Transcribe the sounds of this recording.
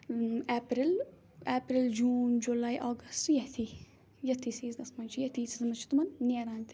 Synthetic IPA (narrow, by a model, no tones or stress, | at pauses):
eːpɾil | eːpɾild͡ʒuːnd͡ʒolaːiʔaːɡɐstjɐt̪ʰi | jɐt̪ʰːiːsiːsd̪ɐsmɐnt͡ʃjɐt̪ʰiːsizɐmɐt͡ʃʰi̥t̪umɐnːeɾaːnt̪ʰi̥